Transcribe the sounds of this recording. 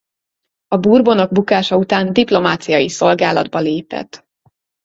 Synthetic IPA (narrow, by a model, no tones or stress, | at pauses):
ɒbuːrbono̞ɡ̚bukaːʃɒut̪aːnd̪iplo̞maːt̪sijɒjiso̞lɡaːlɒ̰d̪bɒleːpɛ̰t̪